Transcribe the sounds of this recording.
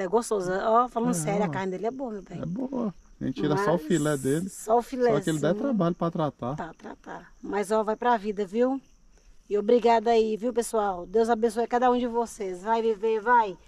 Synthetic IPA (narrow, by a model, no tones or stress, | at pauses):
ɛlɛɡost̪ozɐɔfalɐ̃nd̪ʊsɛɾjakaɾnɪd̪elɪɛbõɐmebẽj̃ɛboɐʒḛ̃t͡ʃt͡ʃiɾɐsɔʊfilɛd̪elɪsɔʊfilɛkelɪd̪aɛt̪ɾabaʎʊpɾat̪ɾat̪apɾat̪ɾa̰t̪a | mɐjzɔvajpɾavid̪ɐviw | ɪobɾiɡad̪aiviwpesuawd̪ewzabẽsojɐkad̪ɐũd͡ʒɪvosezvajvivevaj